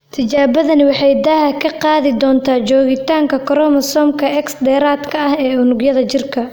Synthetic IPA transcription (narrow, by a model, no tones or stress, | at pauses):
t̪ʰɪt͡ʃaːβɐðɐnɪwɑħɑjd̪aːɦɐkʰɐqɑːðɪd̪ɔːnt̪ʰaːt͡ʃɔːɣɪt̪ʰaːŋkʰɐkʰɔɾɔːmɐsɔːmkʰɐɛksd̪ɛːɾaːd̪kʰɐɐhɛːʊnʊɡjɐðɐt͡ʃɪrkʰɐ